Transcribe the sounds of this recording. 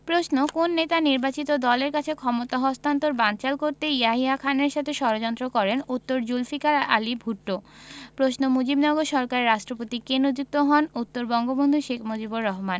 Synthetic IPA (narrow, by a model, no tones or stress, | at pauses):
pɾosnokonːet̪aniɾbat͡ɕit̪od̪ɔleɾkat͡ɕʰekʰɔmot̪aɦɔst̪ant̪oɾbant͡ɕalkoɾt̪eiaɦiɦakʰaneɾʃat̪ʰeʃɔɾod͡ʑɔnt̪ɾokɔɾenut̪ːoɾd͡ʑulfikaɾa̰libʱuʈːopɾosnomod͡ʑibnɔɡoɾʃɔɾkaɾɾaʃʈɾopot̪ikenod͡ʑuk̚t̪oɦɔnut̪ːoɾbɔŋɡobond̪ʱuʃekʰmod͡ʑiboɾːɔɦman